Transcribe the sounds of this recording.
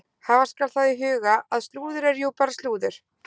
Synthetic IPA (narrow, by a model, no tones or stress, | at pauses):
haːvḁskalθaðɪɦʏːɣaʔaðst̪luːðʏɾɛɾjowpaɾast̪luːðʏɾ̥